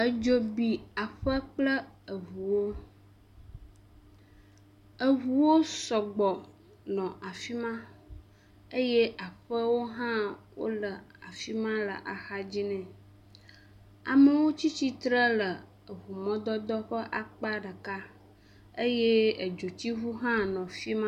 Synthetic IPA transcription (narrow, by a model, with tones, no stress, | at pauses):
ə˨d͡ʒo˨bi˨a˨ɸə˦k͡plə˦ə˨ɦu˨wo˦ | ə˨ɦu˨wo˦sɔ˨ɡ͡bɔ˨ | nɔ̃˨ʔa˨fi˦mã˦ | ə˦je˦ʔa˨ɸə˦wo˦ɦã˦wo̰˦lə˨a̰˨fi˦mã˦lə̰˨ʔa˨xa˦d͡ʑi˦nɛ̃˨ | a̰˨mə˦wo˦t͡ɕi˦t͡ɕi˦t̪ɾə˦lə˨ | ə˨βu˨mɔ̃˦d̪ɔ˦d̪ɔ˦ɸə˦ʔa˨k͡pa˦ɖə˨ka˦ | ə˦je˦ə˨d͡ʒo˨t̪i˦ɦu˦ɦã˦nɔ̃˨fi˦mã˦